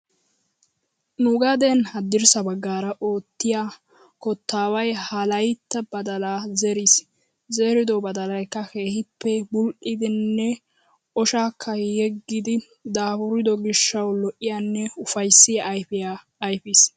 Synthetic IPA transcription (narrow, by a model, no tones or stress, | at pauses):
nʊɡɐd̪ɛnhɐd̪ːɪɾsɐbɐɡːaːɾɐʔoːt̪ːɪjaː | kɔt̪ːaːwɐjhɐlɐjt̪ːɐbɐd̪ɐlaːzɛɾis | zeːɾɪd̪ɔbɐd̪ɐlɐjkːɐkeːhɪpːɛbʊlʔɪd̪ɪnːɛ | ʔɔʃaːkʰːɐjɛɡːɪd̪ɪ | d̪aːbʊɾɪd̪ɔɡɪʃːɐwlɔʔɪjanːɛʊfɐjsːɪjaʔːjpɪjaː | jfis